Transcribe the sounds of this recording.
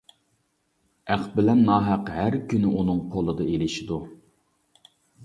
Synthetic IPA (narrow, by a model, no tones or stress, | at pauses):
æχbɪlɛnːɑɦæqɦæɾkʲynɪʔunɨŋqʰolˠɨd̪ɑelɪʃid̪u